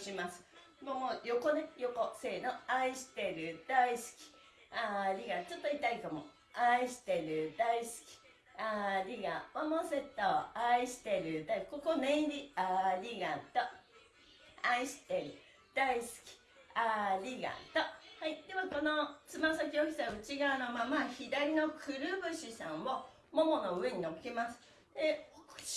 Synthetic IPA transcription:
ɕimasɨ̥ | momojoko̞ne̞jo̞ko̞se̞ːnoaiɕi̥t̪e̞ɾɯ̟d̪̥aisɨ̥kʲi̥ | aɾʲiɡat͡ɕot̪ːoit̪aikamo | aiɕi̥t̪e̞ɾɯ̟d̪aisɨ̥kʲi̥ | aɾʲiɡaβamose̞t̪ːoaiɕi̥t̪e̞ɾɯ̟d̪aiko̞konẽnɾʲiaɾʲiɡat̪o | aiɕi̥t̪e̞ɾɯ̟ | d̪̥aisɨ̥kʲi̥ | aɾʲiɡa̰t̪ohaid̪e̞βako̞no̞t͡sɨmasak̬ʲiokʲi̥t̪aɯ̟t͡ɕiɡaɯnomamaçid̪aɾʲino̞kʰɯɾɯ̟bɯ̟ɕisãɰ̃o | momo̞no̞ɯ̟e̞ɲ̟ino̞kemasɨ̥ | d̪e̞o

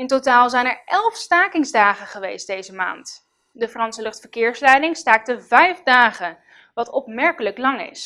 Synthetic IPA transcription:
ɪntotaːlˠzɛjnɛɹɛlˠfstaːkɪŋzdaːχəχəʋejst̚d̥ejzəma̰ːnt | dəfrɑnsəlɵχtfəɹkɪːɹslɛjdɪŋstaːk̚təvɛjfdaːχə | ʋɑtɔpmɛɹkələklɑŋɪ̰s

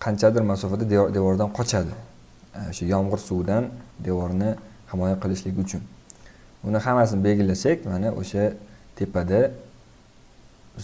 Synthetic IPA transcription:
qʰɑnt͡ʃʰad̪ɪɾmasɒfad̪ad̪ed̪e̞vɒɾd̪anqʰɒt͡ʃʰad̪ɪ | oʃajɒmʁɨɾsuwd̪and̪evɒɾnɪ | hɪmɒjaqʰɨlˠɪʃlɪɡʲɪʊt͡ʃʰʊn | ʊnɪhamasɪnɪbe̞ɡʲɪlasakʲmanaʔo̰ʃat̪ʰe̞pʰad̪a

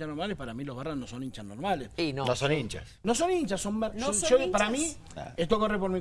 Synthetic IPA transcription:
t͡ʃanːoɾmaːlepaɾamiloβaranːõsonint͡ʃanormaːleinosonint͡ʃa̰ | nõsonint͡ʃasommaot͡ʃopaɾami | et̪uokorepoɾmi

